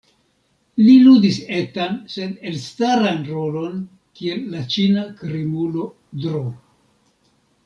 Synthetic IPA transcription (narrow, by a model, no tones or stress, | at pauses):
liludise̞tanse̞delstaɾanɾo̞lo̞n | kie̞lːat͡ʃinakɾemulo̞ | dɾo